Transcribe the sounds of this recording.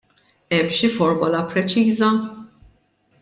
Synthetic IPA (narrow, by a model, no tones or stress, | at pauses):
ɛmːʃifɔɾmʊlɐpɾɛt͡ʃiːzɐ